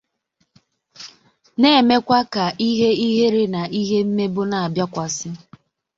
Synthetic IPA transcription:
ne˦e˨me˦kʷa˦ka˨ʔi˦ɦe˦i˦ɦe˦ɾe˦na˨i˦ɦe˦m̩˦me˦bʊ˦na˨a˨bja˦kʷa˨sɪ˦

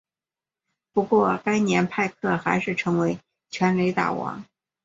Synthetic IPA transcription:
pu˧˥kwɔ˥˩ka˥ɪnjɛ˧˥npʰa˥˧ɪkʰɤ˥˩xa˧˥ɪʂɻ̩˥˩ʈ͡ʂʰɤ˧˥ŋwe˧˥ɪ | t͡ɕʰɥɛ˧˥nle˧˥ɪt̪a̰˨˩wɑ̰˧˥ŋ

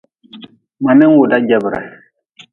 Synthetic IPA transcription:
mã˨mɛ̃˦ŋ˦wo˨da˦d͡ʒa˨bɾa̰˨

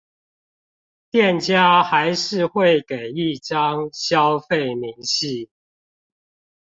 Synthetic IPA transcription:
t̪jɛ˥˨nt͡ɕja˦xa˨˦ɪʂɻ̩˥˨xwe˥˨ɪke˨˩ɪi˥˨ʈ͡ʂɑ˦ŋɕjɑ˦ʊfe˥˨ɪmi˨˦ŋɕi˥˨

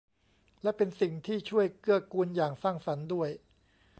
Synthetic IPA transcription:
lɛ˦˥pe˧nsi˨˩ŋt̪ʰiː˥˩t͡ɕʰu˥˩əjkɯ˥˩əkuː˧njaː˨˩ŋsaː˥˩ŋsa˩˦ndu˥˩əj

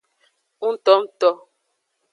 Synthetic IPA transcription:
u˦n̩˦tɔ˦m̩˦tɔ˦

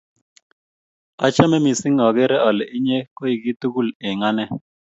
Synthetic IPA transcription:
a˦t͡ʃa˦mɛ˦mi˨si˦ŋɔ˨ɡe˦ɾɛ˦ɔ˨lɛ˨ʔɪ˦ɲɛ˦ko˦i˨ki˦t̪u˦ku˦lɪ˨ŋa˦nɛ˦

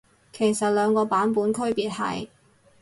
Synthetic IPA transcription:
kʰe˨˩jsɐ˨t̚lœː˨˧ŋkɔː˧paː˨˥npuː˨˥nkʰɵ˥ɥpiː˨t̚hɐ̰˨j

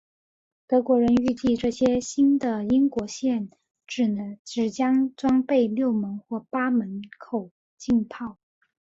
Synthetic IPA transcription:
t̪ɤ˧˥kwɔ˧˥ɻə˧˥ny˥˧t͡ɕi˥˧ʈ͡ʂɤ˥˩ɕjɛ˥ɕi˥nd̪ə˨i˥ŋkwɔ˧˥ɕjɛ˥˩n | ʈ͡ʂɻ̩˨˩n˧˥ʈ͡ʂɻ̩˨˩t͡ɕjɑ˥ŋt͡swɑ˥ŋpe˥˧ɪljo˥˩ʊmə˧˥nxwɔ˥˩pa˥mə˧˥nkʰo˨˩ʊ | t͡ɕi˥˧npʰɑ˥˩ʊ

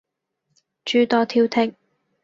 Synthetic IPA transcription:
t͡ʃyː˨˧t̪ɔː˨˧t̪ʰiː˧wt̪ʰɪ˨k̚

